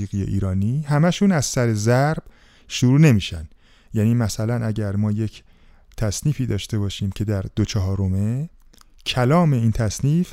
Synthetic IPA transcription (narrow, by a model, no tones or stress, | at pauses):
iːɣijḛʔiːɾɒːniːhæmæʃuːnæz̥sæɾe̞zæɾb̥ | ʃuɾuːne̞miːʃænd̪̥ | jæniːmæsælænʔæɟæɾmɒːje̞cʰ | t̪ʰæsniːfiːd̪ɒːʃt̪e̞bɒːʃiːmcʰe̞d̪æɾd̪ot͡ʃʰɒɦɒːɾome | cʰælɒːme̞iːnt̪ʰæsniːf